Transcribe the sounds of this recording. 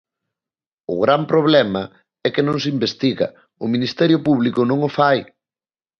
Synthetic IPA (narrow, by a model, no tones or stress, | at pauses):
ʊ̰ɣɾampɾoβlɛmɐ | ɛkɪnõŋs̬ɪimbest̪iɣɐ̰ | ʊminist̪ɛɾjʊpuβlikʊnõŋʊfaj